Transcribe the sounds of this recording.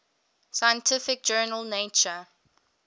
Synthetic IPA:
sajə̃ntʰɪfɪk̚d͡ʒɜːnəlˠneɪt͡ʃə

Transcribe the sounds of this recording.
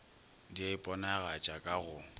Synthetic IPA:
diaɪpʼɔnaɣat͡ʃʼakʼaɣʊ

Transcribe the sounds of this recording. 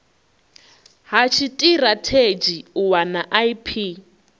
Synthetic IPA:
ɦat͡ʃʰitʼiɾatʰed͡ʒiuwanaʔaipʰi

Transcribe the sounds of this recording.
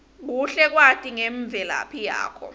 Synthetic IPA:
k̬uɬɛk̬watʼiŋeɱb̪vʱɛla̰pʰija̰ːkʰɔ̰

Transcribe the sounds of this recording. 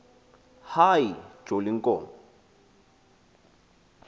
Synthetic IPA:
hai̥d͡ʒolɪŋ̩kʼɔːmbɔ

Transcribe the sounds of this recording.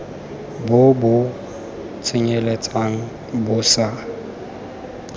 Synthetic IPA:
bʊbʊ | t͡sʰʼɪɲelet͡sʼaŋ̩ | bʊsa

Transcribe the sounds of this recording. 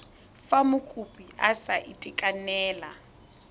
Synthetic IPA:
famʊkʼupʼiʔasaʔitʼɪkʼanɛːla

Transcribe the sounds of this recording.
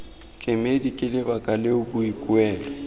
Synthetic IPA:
kʼɪmedikʼɪlɪbakʼalɪʊbʊikʼwɛːlɔ

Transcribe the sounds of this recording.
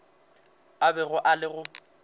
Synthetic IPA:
abɛɣʊʔalɪɣʊ

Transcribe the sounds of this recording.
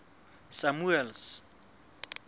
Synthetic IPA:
samuɛls

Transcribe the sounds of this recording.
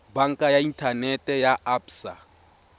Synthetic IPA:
baŋkʼajaintʰanɛtʼɛjaapsa̰

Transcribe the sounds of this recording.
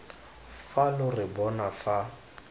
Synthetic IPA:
falʊrɪbɔnafa

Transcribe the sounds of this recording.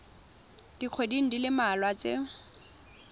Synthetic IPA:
d̥iq͡χʰwediŋ̩dilɪmalwat͡se

